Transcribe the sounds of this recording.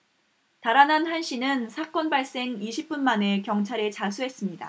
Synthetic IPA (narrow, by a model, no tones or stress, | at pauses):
taɾanɦanɦanɕ͈inɯnsʰak͈ʌnbaɭs͈e̞ŋiɕʰip̚p͈unmane̞kjʌŋt͡ɕʰaɾet͡ɕasʰuɦe̞s͈ɯmɲida̰